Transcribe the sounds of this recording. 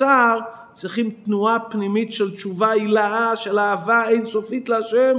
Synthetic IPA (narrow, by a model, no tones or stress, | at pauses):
aʁ | t͡sʁiχimtnuapnimitʃɛlt͡ʃuvailaaʃɛlaːvaeɪnsofitləaʃɛm